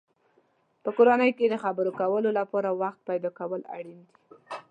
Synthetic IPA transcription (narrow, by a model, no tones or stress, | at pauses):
pəkoɾanəjked̪əxabəɾokawəlolapɑɾawaxt̪̚pajd̪ɑkawəla̰ɽind̪i̥